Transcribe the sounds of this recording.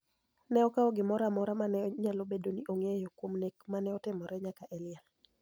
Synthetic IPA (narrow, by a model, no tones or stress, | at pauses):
nɛɔkaɔɡɪmɔɾamɔɾamanɛɲalobedoniʔoŋejokwomnekmanɛɔtɪmɔɾɛɲakaʔɛlɪa